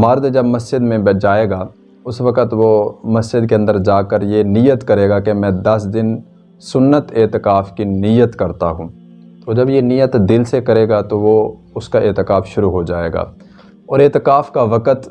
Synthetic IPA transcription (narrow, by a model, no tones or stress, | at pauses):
mɐɾd̪d͡ʒɐbmɐsd͡ʒɪd̪mẽbd͡ʒaːeːɡaː | ʊsʋɐkət̪ʋomɐsd͡ʒɪd̪keɐ̃nd̪əɾd͡ʒaːkəɾjenijət̪kɐɾeːɡakemɛ̃d̪ɐsd̪ɪn | sʊnːət̪eːt̪ɪkaːfkinɪjət̪kɐɾt̪aɦũː | t̪oːd͡ʒɐbjenɪjət̪d̪ɪlsekɐɾeːɡat̪oʋo | ʊskaʔeːt̪ɪkaːfʃʊɾuɦod͡ʒaːḛːɡa̰ː | ɔːɾeːt̪ɪkaːfkaʋɐkət̪